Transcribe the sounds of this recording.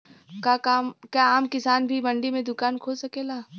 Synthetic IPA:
kakaːmkjaaːmkɪsaːnbʱibɐ̃ɳɖimẽd̪ʊkaːnkʰoːsɐkeːlaː

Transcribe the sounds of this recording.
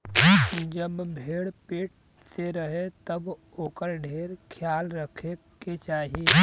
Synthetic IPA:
d͡ʒəbbʱeːɽpeːʈ̚ | seɾəɦet̪əb | oːkəɾɖʱeːɾkʰjaːlɾəkʰe | ket͡ʃaːɦie

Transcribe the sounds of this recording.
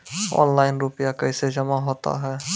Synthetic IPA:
ɔ̰ːnlaːɪnɾʊpɪjakɐɪsed͡ʒɐmaɦoːt̪a̰ɦɛː

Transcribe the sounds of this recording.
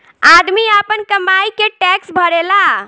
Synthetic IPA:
ad̪miapənkəmajkeʈɛksbʱəɾela

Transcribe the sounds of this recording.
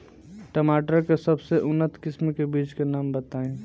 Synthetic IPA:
ʈəmaːʈəɾkesəbseʔʊnːət̪kɪsmkebiːt͡ʃkenaːmbət̪aːẽ

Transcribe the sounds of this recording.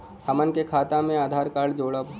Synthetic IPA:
həmənkekʰaːt̪amẽaːd̪ʱaːɾkaːɽd͡ʒoːɽəb

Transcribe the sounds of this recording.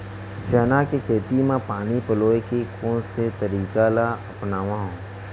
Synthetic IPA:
t͡ʃɛːnakekʰeːt̪imãpaːnipəloːekekʰõːset̪ɐɾiːkalaɐpnaːʋãɦõː

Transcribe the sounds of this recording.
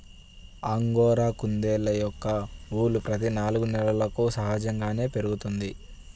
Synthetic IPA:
aŋɡɔːɾaːkund̪eːlɐjɔkːɐuːlupɾɐt̪̬inaːluɡunɛlɐlɐkusɐɦaːd͡ʒɐŋɡaːne̞ːpe̞ɾuɡut̪und̪i

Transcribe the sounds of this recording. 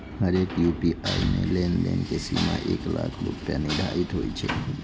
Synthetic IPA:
ɦəɾekjupiʔajmelenlenkesimaʔeklakʰɾopjanidʱait̪ɦojt͡ʃʰe

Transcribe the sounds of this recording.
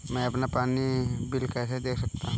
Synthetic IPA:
mɛ̃ɐpnapaːnibɪlkɛːsed̪eːkʰsɐkt̪aɦ

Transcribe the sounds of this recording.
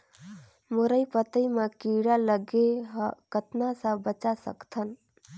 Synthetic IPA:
mʊɾəipət̪əimakiɽaləɡeɦkət̪nasə̃bət͡ʃasə̰kt̪ʰən

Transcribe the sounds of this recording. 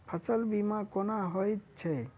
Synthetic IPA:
pʰəsəlbimakonaɦojt͡ʃʰe

